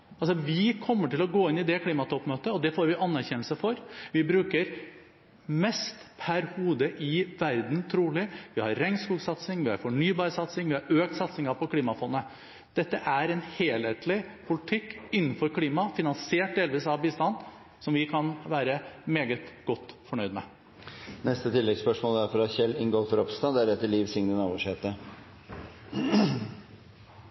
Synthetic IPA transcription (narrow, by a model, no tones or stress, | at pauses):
ɑlsɔʋɪkʰɔmːəʈɪlɔɡoːɪnːɪd̪ɛkʰliːmɑt̪ʰɔpmøːt̪əɔd̪ɛfoːɾʋɪʔɑnːæɾçɛnl̩səfɔɾʋɪbɾʉːkəɾ | mɛst̪pʰæɾhuːd̪əʔɪʋæɾd̪nt̪ʰɾuːlɪʋɪhɑ̰ɾːɛŋskuːɡsɑt̪sɪŋʋɪhɑ̰ɾfɔɳyːbɑːɾəsɑt̪sɪŋʋɪhɑɾøːk̚t̪sɑt̪sɪŋɑpʰɔkʰliːmɑfɔnːə | d̪̥ɛt̪ːəʔæɾɛnheːleːt̪ʰlɪpʰʊlɪt̪ʰɪkːɪnːn̩fɔɾkʰliːmɑfɪnɑnseːʈ̚d̪eːlʋiːsɑʋbɪst̪ɑnː | sɔmʋɪkʰɑnʋæːɾəmeːɡət̪ɡ̥ɔt̪ːfɔɳœʏd̪mɛ | nɛst̪ət̪ʰɪlːɛɡspœʂmoːləæɾfɔɾɑt̪çɛlːɪŋɡoːfɔɾɔpst̪ɑnd̪æɾɛt̪ːəɭiːʋsɪŋnənɑːʋɔʂheːt̪ə